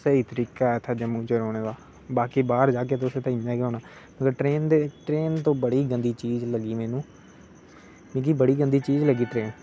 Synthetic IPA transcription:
səɦiːt̪əɾiːkaːɛt̪ʰaːd͡ʒəmũːt͡ʃeɾoːɽeːʋaː | baːkiːbaːɾd͡ʒaːk̬eːt̪ʊsẽːt̪aĩd͡ʒãːkiɦoːnaː | məɡəɾʈɾeːnd̪eːʈɾeːnt̪õːbəɽiːɡənd̪iːt͡ʃiːzləɡiːmɛːnũː | mĩːɡiːbəɽiːɡənd̪iːt͡ʃiːzləɡiːʈɾeːn

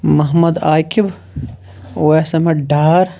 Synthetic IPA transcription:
mɐɦmɐd̪aːkib | oesɐmɐɖaːɾ

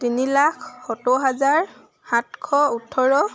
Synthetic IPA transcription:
tinilakʰːɔtɔɦazaɹ | hatkʰɔutʰːɔɹɔ

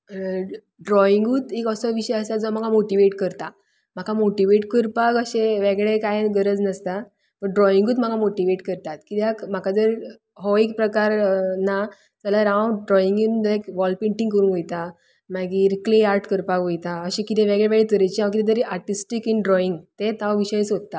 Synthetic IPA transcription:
ɖɾɔiŋɡuːt̪ekəsɔʋiɕəjəsad͡zɔm̤akʰamoʈiʋeʈkəɾt̪a | m̤akamoʈiʋeʈkəɾpakəɕẽʋɛɡɭekajɡəɾəd͡znəst̪a | pəɳɖɾɔiŋɡuːt̪m̤akamoʈiʋeʈkəɾt̪at̪kit̪jakm̤akad͡z̪əɾ | ɦɔek̚pɾəkaɾna | t͡səlaɾãwɖɾɔiŋɡind̪ekʋɔlpeɳʈĩŋɡkəɾuːnɦojt̪a | maɡiːɾkleaɾʈkəɾpakʋojt̪aəɕẽkit̪ʰɛ̃ʋɛɡɭeʋɛɡɭet̪əɾəjt͡ɕiãʋ̃k̬it̪ɛt̪əɾeʔaɾʈisʈikinɖɾɔiŋɡt̪et̪aʋiɕəit͡sɦot̪ːa

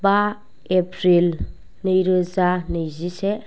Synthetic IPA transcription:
ba | epʰɾil | nɯjɾɯzanɯzise

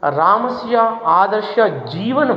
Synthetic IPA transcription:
ɾaːmɐsjɐaːd̪ɐɾʃjɐd͡ʒiːʋɐnɐ

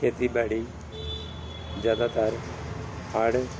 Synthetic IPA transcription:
kʰet̪ibaɽi | d͡ʒjaːd̪at̪aɾ | haːɽ

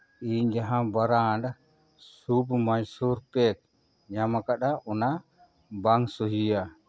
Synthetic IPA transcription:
iɲd͡ʒaɦãbaɾaɖ | submad͡ʒsuɾpɛk̚ | ɲamakaɗaʔɔna | baŋsuɦija

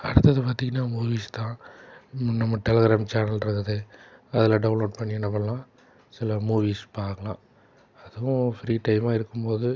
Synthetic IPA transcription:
ɐ̰ɽɯt̪ːɐðɯpaːɾt̪iːŋɡɐnːaːmuːʋiːst̪ãː | nɐmːɐʈɛlɐɣɾaːmt͡ʃaːnɐlɾɯkːɐðɯɐðɪlɐɖɐʊnloːʈpɐɳːɪɛnːɐʋɐlãː | sɪlɐmuːʋiːspaːɾkɐlãː | ɐðɯʋʊ̃fɾiːʈɐɪmaːɪɾɯkːɯmpoːðɯ

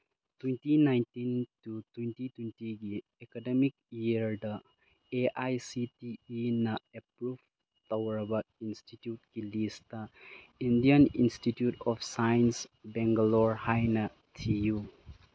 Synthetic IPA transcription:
twintinajntintutwuntitintiɡi | ekademikiɾdɐ | eʔajsitiinɐepɾubʱ | t̪ɐwɾɐbɐinstitjut̚kilistɐ | indijanḭnstitjutɔpʰsajnsbeŋɡalɔɾhajnɐ | tʰiju

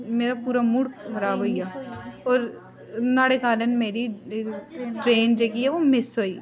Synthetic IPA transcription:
meːɾapuːɾamuɽkbʱɐɾaːʋoijaɔːɾ | naːɽekaːlənmeːɾi | ʈɾeːnd͡ʒeːkiɛʋomɪsɦoiː

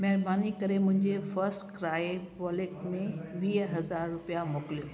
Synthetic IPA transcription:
mɛɦɾbaːnikɐɾemʊ̃ɦɪ̃ɲd͡ʑefɐɾsʈkɾaːebɔːleʈ̚mẽʋiːɦɦɐzaːɾːʊpijamoːkɪljoː

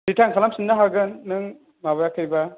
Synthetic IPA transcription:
bitʰaŋkʰalamsinːaɦaɡɯnːɯŋ | mabajakʰɯjba

